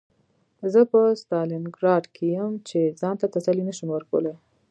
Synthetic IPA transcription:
zəpəst̪ɑlɪnɡɾɑɖkʰejəmt͡ʃezɑnt̪at̪asalinəʃəmwəɾkəwəla

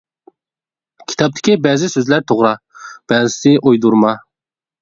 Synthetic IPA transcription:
kʲʰi̥t̪ʰɑp̚t̪ʰɪ̥kʲibɛːzɪsøzlæɾt̪ʰoʁɾɑ | b̥ɛːzɪsɪʔojd̪uɾmɑ

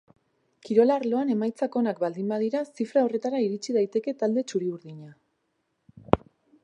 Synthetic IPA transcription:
kiɾo̞laɾlo̞ane̞majt͡sako̞nakbald̪imbað̞iɾasifɾao̞re̞t̪aɾaiɾit͡siðajt̪e̞ke̞t̪ald̪e̞t͡ʃuɾiuɾðiɲa

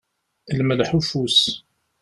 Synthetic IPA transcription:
lməlħufus

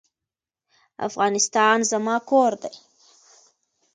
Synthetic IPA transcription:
a̰fɣɑnɪst̪ɑnzamɑkoɾd̪aj

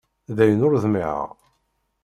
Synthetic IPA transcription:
ðæjənʊɾðmiʕə̰ʁ

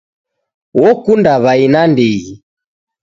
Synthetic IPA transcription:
wɔkundaβainandɛɣi

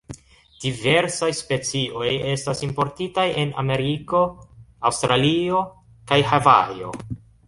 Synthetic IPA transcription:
d̥ive̞ɾsajspe̞t͡siʔo̞je̞stasimpo̞ɾtitaje̞na̰me̞ɾiko̞awstɾalio̞ | kajhava̰jo̞̰

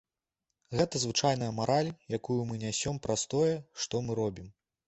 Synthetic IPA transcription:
ɣɛt̪ɐzvɨt͡ʂajnɐjɐmaɾalʲjakujumɨnʲasʲɔmpɾʔast̪ɔjɛʂt̪ɔmɨɾɔbʲim

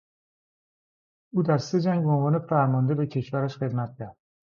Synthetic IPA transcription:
ʊd̪aɾst̪ɪd͡ʒaŋʲbʊnvɒnɪfaɾmɒnd̪avakʲʰeʃvaɾaʃχed̪mat̪̚d̪a

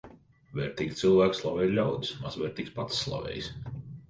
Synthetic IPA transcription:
vɛɾt̪iːɡt̪silˠvæːkslˠavɛɾlʲawd̪smazvɛːɾt̪iːkspat̪sːlˠa̰vɛ̰ːjs

